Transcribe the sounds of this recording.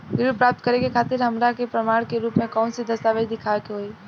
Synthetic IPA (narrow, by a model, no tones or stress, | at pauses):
ʋɪɾupɾaːp̚t̪kəɾẽkekʰaːt̪ɪɾɦəmɾakepɾəmaːɽ̃keɾuːpmẽkɔʊ̃nsed̪əst̪aːʋed̪ɪkʰakeɦoi